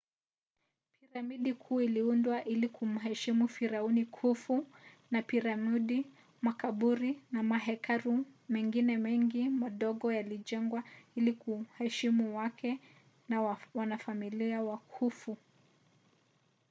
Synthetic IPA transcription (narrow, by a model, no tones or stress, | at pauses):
piɾamiɗikʰuːiliundwaʔilikʰum̩ɦɛʃimufiɾaunikʰufu | napiɾamiɗi | makaɓuɾinamaɦɛkaɾumɛŋɡinɛmɛŋɡimaɗɔɠɔjaliʄɛŋɡwailikuhɛʃimuwakʰɛ | nawanafamiliawakʰufu